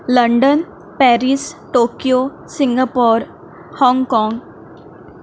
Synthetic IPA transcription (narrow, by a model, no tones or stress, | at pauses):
ləɳɖən | pɛɾisʈokijo | sĩŋɡapɔːɾ | hɔ̃ŋɡkɔ̃ŋɡ